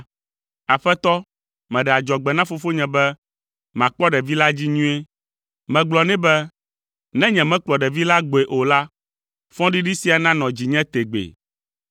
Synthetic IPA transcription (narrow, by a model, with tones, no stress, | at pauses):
a˨ɸɛ˦t̪ɔ˦ | mɛ̃˨ɖɛ˨a˨d͡ʒɔ˨ɡ͡bɛ˨nã˦fo˦fo˦ɲɛ̃˨bɛ˦ | mã˨k͡pɔ˦ɖɛ˨vi˦la˦d͡ʑi˦ɲũ˦e˦ | mɛ̃˨ɡ͡blɔ˨nɛ̃˦bɛ˦ | nɛ̃˦ɲɛ̃˨mɛ̃˦k͡plɔ˨ɖɛ˨vi˦la˦ɡ͡bo˨e˨ʔo˨la˦ | fɔ̃˦ɖi˦ɖi˦si˦a˨nã˦nɔ̃˨d͡ʑi˨ɲɛ̃˦t̪e˨ɡ͡bḛ˨